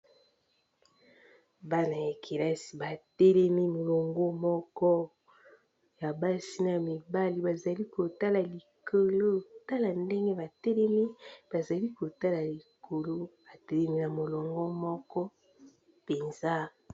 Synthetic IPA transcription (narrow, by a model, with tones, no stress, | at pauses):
ba˦na˨ja˨kʰi˨la˦si̥˨ba˨tɛ˦lɛ˦mi˦mo˨lɔ˨ŋɡo˦mɔ˦kɔ˦ | ja˨ba˦si˦na˨mi˨ba˦li˨ba˨za˨li˦ko˨ta˦la˨li˨kʰo˨lo˦ta˦la˨nde˦ŋɡe˦ba˨tɛ˦lɛ˦mi˦b̥a˨za˨li˦ko˨ta˦la˨li˨ko˨lo˦ba˨tɛ˦lɛ˦mi˦na˨mo˨lɔ˨ŋɡɔ˦mɔ˦kɔ˦ | pe˨nza˦